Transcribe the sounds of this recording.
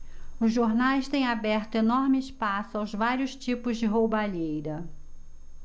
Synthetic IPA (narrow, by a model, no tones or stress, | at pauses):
ʊzʒoɾnajst̪ẽj̃abɛɾt̪ʊenɔɾmɪɪspasʊawzvaɾjʊst͡ʃipʊzd͡ʒɪɦowbaʎejɾɐ